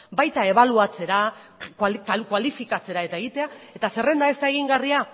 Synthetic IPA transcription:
bajt̪ae̞βaluat͡se̞ɾa | kkakwalifikat͡se̞ɾae̞t̪ae̞ɣit̪e̞ae̞t̪ase̞re̞nd̪aest̪ae̞ɣiŋɡaria

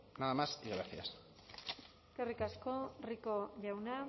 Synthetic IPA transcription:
naðamasiɣɾaθja̰s | kerikaskorikoʝawna

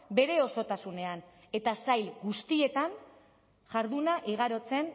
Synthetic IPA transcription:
be̞ɾe̞o̞so̞t̪asune̞an | e̞t̪asajlɡust̪ie̞t̪an | ʝaɾðunaʔiɣ̞aɾo̞t͡se̞n

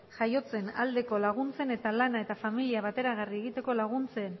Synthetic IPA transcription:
ʝajo̞t͡se̞nald̪e̞ko̞laɣ̞unt͡se̞ne̞t̪alanae̞t̪afamiliaβat̪e̞ɾaɣ̞arieɣ̞it̪e̞ko̞laɣ̞unt͡se̞n

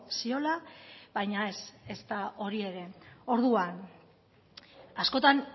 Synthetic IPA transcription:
sio̞laβajɲaese̞st̪aʔo̞ɾie̞ɾe̞o̞ɾðuan | asko̞t̪an

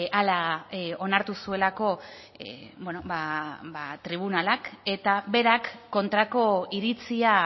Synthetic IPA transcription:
alao̞naɾt̪usue̞lako̞ | bwenobabat̪ɾiβ̞unalake̞t̪aβe̞ɾakːo̞nt̪ɾako̞iɾit͡sia

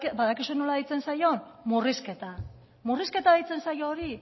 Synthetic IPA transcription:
baðakisueno̞laðeit͡se̞nsajo̞nmuriske̞t̪a | muriske̞t̪aðejt͡se̞nsajo̞ːɾi

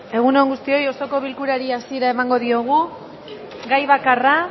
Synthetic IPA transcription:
e̞ɣ̞uneŋɡust̪io̞jo̞so̞ko̞βilkuɾaɾiasie̞ɾae̞maŋɡo̞ðio̞ɣ̞u | ɡajβ̞akara

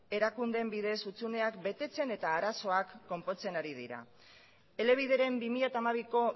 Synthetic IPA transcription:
e̞ɾakund̪e̞mbiðe̞sut͡sune̞akbe̞t̪e̞t͡se̞ne̞t̪aːɾaso̞akːo̞mpo̞t͡se̞naɾiðḭɾa̰ | e̞le̞β̞ið̞e̞ɾe̞mbimiʎat̪amaβ̞iko̞

